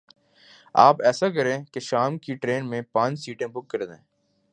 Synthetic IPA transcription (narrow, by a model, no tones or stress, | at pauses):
aːpɛːsak̬ɐɾẽkeʃaːmkiʈɾeːnmẽpãːt͡ʃsiːʈẽbʊkːəɾd̪ḛ̃ː